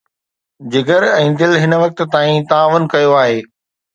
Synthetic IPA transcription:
d͡ʑɪɡəɾɛ̃ːd̪ɪlɦɪnʋɐk̚t̪t̪aːĩt̪aːʋənkɐjoaːɦeː

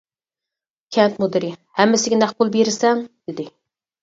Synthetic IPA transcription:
kʲʰɛnt̪mod̪ɪɾɪhɛmːɪsɪɡʲɛnæhbʊlˠbeɾɪsɛŋd̪̥ɪd̪ɪ

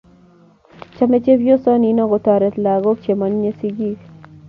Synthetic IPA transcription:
t͡ʃʰɐmet͡ʃebjosɐniːnɐɣot̪aːɾet̪laːɣok̚t͡ʃʰemɐnjesiɡi

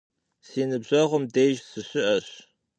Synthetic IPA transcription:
siːnɨbʑɐʁʷʊmdejʒsɨɕɪʔɐɕ

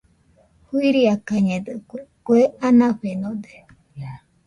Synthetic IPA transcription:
huiɾiakaɲẽd̪ɨkkweanãɸenõd̪e̥

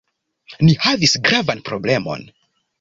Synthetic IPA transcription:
nihavisɡɾavanpɾoble̞mo̞̰n

